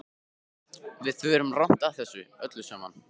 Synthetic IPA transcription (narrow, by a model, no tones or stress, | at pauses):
vɪðθvʏɛɾʏmrawn̥t̪aθɛsːʏœt̪lʏsœman